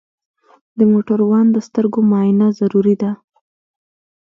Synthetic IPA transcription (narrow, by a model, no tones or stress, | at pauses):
d̪əmoʈaɾwɑnd̪əst̪əɾɡomɑjjnazaɾuɾid̪a